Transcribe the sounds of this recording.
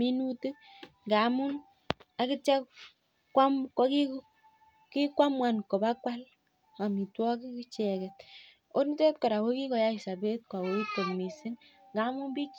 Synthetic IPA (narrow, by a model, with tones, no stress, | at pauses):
mi˦nu˦tɨ˦kŋɡa˨˦mu˦n | a˨ki˦t͡ʃa˦k | kwa˦mkɔ˦ki˦k | ki˦kʷa˦mwa˨nkɔ˨ba˦kwa˦l | a˨mi˨twɔ˦ki˦ki˦t͡ʃɛ˨kɛ˨t̚ | o˦ni˦tɛ˦tkɔ˨ɾa˨wo˦ki˦kɔ˨ja˦i˨sa˨be˦t̚ka˨wo˨˦i˦to˨mi˨si˦ŋ | ŋɡa˨˦mu˦nbi˦